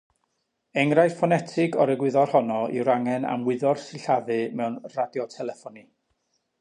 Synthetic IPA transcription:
ɛŋɾajsfɔnɛtʰɪɡɔɾəɡwɪðɔrhɔnɔḭwɾaŋɛna̰mwɪðɔrsɪɬaðɨmɛwnradjɔtʰɛlˠɛfɔni

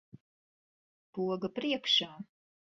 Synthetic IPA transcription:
puɔɡapɾiɛkʃaː

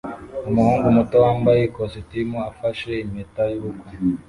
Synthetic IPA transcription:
omuhuːŋɡumutowaːmbajekositimoafaʃeimetajuːko

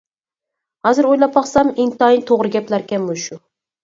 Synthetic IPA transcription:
hɑzɪɾojlˠapːɑχsamɪnt̪ɑint̪ʰoʁɾɨɡʲaplaɾkʲamːʊʃʊ

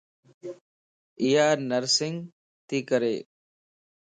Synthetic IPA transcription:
ɪjaːɾnəɾsɪŋɡ | t̪iːkəɾeː

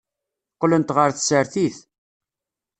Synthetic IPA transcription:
qːlənt̪ʁəɾθsəɾθiθ

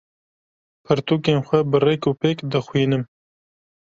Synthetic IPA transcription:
pʰɨɾt̪uːkeːnxʷɛbɨrekupeːkd̪ɨxwiːnɨm

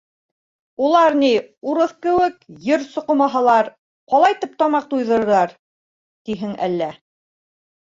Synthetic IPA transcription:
ulˠɑɾniuɾɤθkɘ̆wɘkjɘɾsŏqŏmɑɦɑlˠɑɾ | qɑlˠɑjt̪ɘp̚t̪ɒmɑq̚t̪ujðɤ̆ɾɤ̆ɾɑɾ | t̪iɦɘŋæ̰lːæ

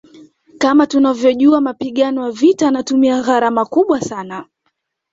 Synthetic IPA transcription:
kamatunavjɔʄuamapiɠanɔwavitaːnatumiaɣaɾamakuɓwasana

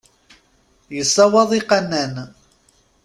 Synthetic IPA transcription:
jəsˤɑwɑðˤiqɑnːæn

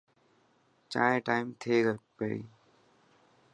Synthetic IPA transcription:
t͡ʃa̰ːɦẽːʈaːɪmt̪ʰeːɡəpeːɽḭː

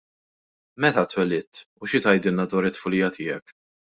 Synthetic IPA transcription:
mɛt̪ɐt̪wɛlɪːt̪ | uʃɪt̪ɐjd̪ɪlnɐd̪wɐːɾɪt̪ːfʊlɪːjɐt̪ʰɪːɛk

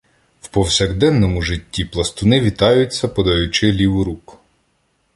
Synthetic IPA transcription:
wpɔwsʲɛɣd̪ɛnːɔmʊʒɪtʲːiplˠɐst̪ʊnɪʋʲit̪ɑjʊt͡sʲːɐpɔd̪ɐjʊt͡ʃɪlʲiwɾuk

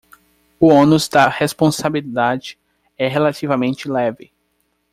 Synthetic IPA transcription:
ʊõnuzd̪ɐhespõsabilid̪ad͡ʒɪ̥ | ɛɦelat̪ivɐmẽnt͡ʃɪlɛvɪ

